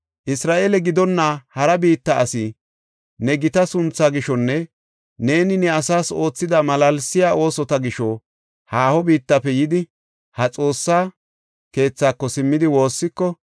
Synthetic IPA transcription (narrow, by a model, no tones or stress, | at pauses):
ʔɪsɾaːʔeːlɛɡɪd̪ɔnːahɐɾɐbiːt̪ːɐʔɐsɪ | nɛɡɪt̪ɐsʊnt͡sːaɡɪʃɔnːɛ | ne̞ːnɪnɛɐsaːso̞ːt͡sːɪd̪ɐmɐlɐlsɪjaːʔo̞ːsɔt̪ɐɡɪʃɔ | haːhɔbiːt̪ːɐpːɛjɪd̪ɪ | hɐt͡sʼo̞ːsːaː | ke̞ːt͡sːaːkːɔsɪmːɪd̪ɪwo̞ːsːɪkːɔ